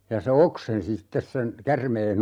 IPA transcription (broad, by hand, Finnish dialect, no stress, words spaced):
jɑ se oksensi sitːes sen kærmeːn